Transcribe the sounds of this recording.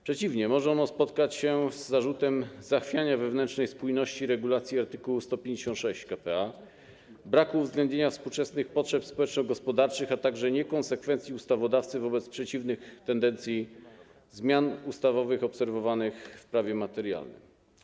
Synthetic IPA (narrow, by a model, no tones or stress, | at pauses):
pʂɛt͡ɕivɲɛmɔʐɛɔnɔspɔt̪kat͡ɕɕɛzːaʐut̪ɛmzaxfʲjaɲavɛvnɛntt͡ʂnɛjspujnɔɕt͡ɕiɾɛɡulat̪sʲjiaɾt̪ɘkuwust̪ɔpʲjẽɲd͡ʑeɕɔ̃nt̪ʂɛɕt͡ɕkapɛa | bɾakuːvzɡlɛnd̪ɲeɲafspuwt͡ʂɛsnɘxpɔtʂɛpspɔwɛt͡ʂnɔ̃wɡɔspɔd̪aɾt͡ʂɘxat̪aɡʐɛɲɛkɔnsɛkfɛnt̪sʲjiust̪avɔd̪aft̪sɘvɔbɛt̪spʂɛt͡ɕivnɘxt̪ɛnd̪ɛnt̪sʲji | zmʲjanust̪avɔvɘxɔpsɛɾvɔvanɘxfpɾavʲjɛmat̪ɛɾja̰lnɘ̰m